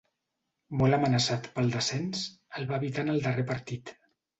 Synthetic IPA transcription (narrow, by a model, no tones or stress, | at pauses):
mɔləmənəsat̪pəlˠd̪əsɛns | əlˠβaːβit̪anəlˠd̪ərepəɾt̪it̪